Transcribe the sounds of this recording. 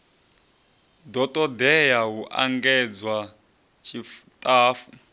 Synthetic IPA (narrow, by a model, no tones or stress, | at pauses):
dɔtʼɔdɛjaɦuʔa̰ŋɡɛd͡zwa | t͡ʃʰʼiftʼaːfu